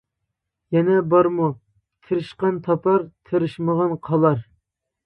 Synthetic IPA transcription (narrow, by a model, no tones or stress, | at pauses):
jɛnɛbɑɾmu | t̪ʰeɾɨʃqɑnt̪ʰɑpʰɑɾt̪ʰeɾɨʃməʁɑnqʰɑlˠɑɾ